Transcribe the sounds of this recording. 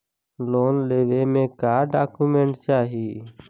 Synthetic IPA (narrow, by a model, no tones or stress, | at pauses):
loːnleːʋeːmẽːkaːɖaːkuːmẽːɳʈt͡ʃaːɦiː